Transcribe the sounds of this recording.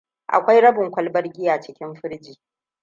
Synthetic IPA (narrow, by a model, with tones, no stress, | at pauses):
ʔa̰˨kʷa˦jɽɐ˦bʊ˨ŋkʷɐ˦lbɐ˦rɡʲɪː˦ja˨t͡ʃɪ˦kʲɪ˦mɸɪ˦ɽd͡ʒiː˨